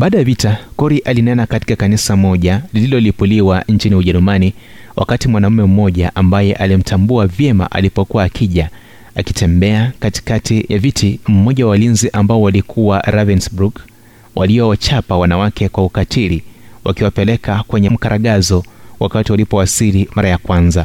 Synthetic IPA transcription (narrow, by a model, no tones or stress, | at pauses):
ɓaːɗajavitakɔɾiʔalinɛnakati̥kakanisamɔʄalililɔlipuliwaɲt͡ʃiniuʄɛɾumani | wʔa̰katimwanam̩mɛm̩mɔʄaʔambajɛʔalim̩tʰambuavjɛma̰ʔa̰lipɔkuwaːkʰiʄa | aki̥tɛmbɛakati̥katijavitʰim̩mɔʄawalinziʔambaɔwalikʰuwaɾavɛnsbɾuk | wʔa̰liɔwat͡ʃapawanawakɛkwaukatʰiliwʔa̰kiwapɛlɛkakwɛɲɛm̩kaɾaɠazɔwʔa̰katiwalipɔwasilimaɾajakwanza